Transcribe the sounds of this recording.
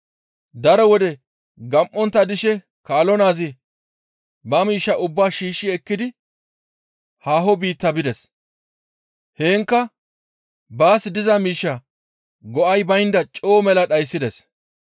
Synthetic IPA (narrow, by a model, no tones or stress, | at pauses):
d̪ɐɾɔwɔd̪ɛ | ɡɐmʔːɔnt̪ːɐd̪ɪʃɛ | kaːlɔnaːzɪ | bɐmiːʃːɐʔʊbːaːʃiːʃːɪɛkːɪd̪ɪ | haːɦɔbiːt̪ːɐbɪd̪ɛs | heːŋkːɐ | baːsɪd̪ɪzɐmiːʃːɐ | ɡɔʔɐjbɐjnd̪ɐt͡ʃʼoːmɛlɐɗɐjsːɪd̪ɛs